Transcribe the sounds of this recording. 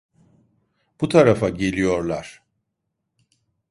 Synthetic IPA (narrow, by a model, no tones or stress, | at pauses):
b̥ut̪ʰaɾafaɟe̞lʲijo̞ɾlˠaɾ̥